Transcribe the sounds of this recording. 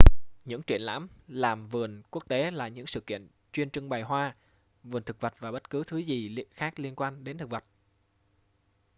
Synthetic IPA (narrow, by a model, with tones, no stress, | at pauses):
ɲɨ̰˧˥ŋt͡ɕwi˧˩ənla̰ː˧˥mlaː˨˩mvɨ˨˩ənku˦˥ək̚t̪e˨˦laː˨˩ɲɨ̰˧˥ŋsɨ̰˧˨kḭ˧˨ən | t͡ɕwi˧ənt͡ɕɨ˧ŋɓaː˨˩jɦwaː˧ | vɨ˨˩nt̪ʰɨ˨˩k̚və˨˩t̚vaː˨˩ɓə˦˥t̚kɨ˨˦t̪ʰɨ˨˦zi˨˩xaː˦˥k̚li˧ənkwaː˧nɗe˨˦nt̪ʰɨ˨˩k̚və˨˩t̚